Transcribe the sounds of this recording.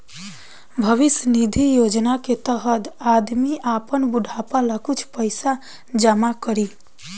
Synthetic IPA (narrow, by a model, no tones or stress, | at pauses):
bʱəʋisnid̪ʱijod͡ʒnaket̪əɦəd̪ad̪miʔapənbuɖʱapalakut͡ʃʰpəɪsa | d͡ʒamakəɾi